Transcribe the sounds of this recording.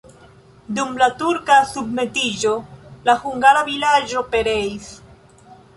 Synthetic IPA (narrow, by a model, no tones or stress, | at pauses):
dumlatuɾkasubme̞tid͡ʒo̞lahuŋɡaɾavilad͡ʒo̞pe̞ɾe̞is